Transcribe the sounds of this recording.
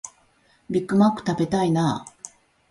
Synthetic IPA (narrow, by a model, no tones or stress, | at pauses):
bʲikːɯ̟makːɯ̟̥t̪abe̞t̪ainaː